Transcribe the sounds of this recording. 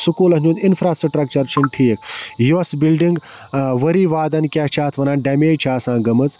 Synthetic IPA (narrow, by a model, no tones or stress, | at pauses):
sukuːlɐd͡ʒũːnd̪infʰɾaːsʈɾɐʈɾɐk̚t͡ʃɐɾt͡ʃʰinʈʰiːkjosbilɖiŋɡ | ʋɐɾiːʋaːd̪ɐnkʲaːt͡ʃʰaːt̪ʰʋɐnãːnɖɐmeːt͡ʃʰaːsãːɡɐmɨt͡s